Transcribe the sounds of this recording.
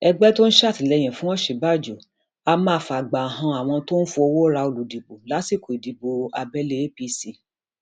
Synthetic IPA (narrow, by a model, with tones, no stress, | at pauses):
ɛ˧ɡ͡bɛ˦to˦n̩˦ʃa˦˨ti˨lɛ˨˧j̃ɛ̃˨fũ˦ɔ̃˦ʃe˨˦ba˦˨d͡ʒo˨ | a˧mãː˧˦fa˨ɡ͡ba˨ɦã˧a˨w̃ɔ̃˧to˦n̩˦fu˧o˧wo˦ɾa˧o˧˨lu˨di˨bo˨la˨˦si˦˨ko˨i˨di˨bo˨a˧bɛ˦le˧˦e˦pi˧˦si˧